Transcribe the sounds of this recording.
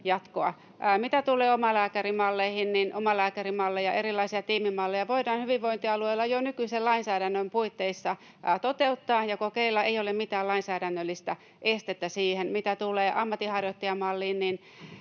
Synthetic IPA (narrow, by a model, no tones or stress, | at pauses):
jɑt̪koɑ̰ | mit̪æt̪ulˑeːomɑlæːkærimɑlːeihinninʔomɑlæːkærimɑlːejɑ̰ʔerilːˑɑisiɑt̪iːmimɑlːejɑʋoidɑːnhyʋiʋʋoint̪iɑlueilːɑjonykyisellɑinsæːɾænːømpuit̪ːeisːɑ | t̪ot̪eut̪ːɑːjɑkokeilːɑʔeijolemmit̪æːlɑinsæːɾænːølːist̪æ | ʔest̪et̪ːæsiːhenmit̪æt̪ulˑeːʔɑmːɑt̪ihɑrjot̪ːɑjɑmɑlːiːnnin